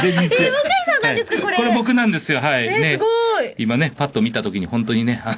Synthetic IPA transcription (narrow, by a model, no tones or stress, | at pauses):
e | aaeskakoɾko̞ɾe̞bo̞k̬ɯ̟nãnd̪e̞sɨjo̞ɦaine̞ɡimane̞pat̪ːo̞mʲit̪at̪o̞kʲiɲ̟ihõ̞nt̪o̞ɲ̟inea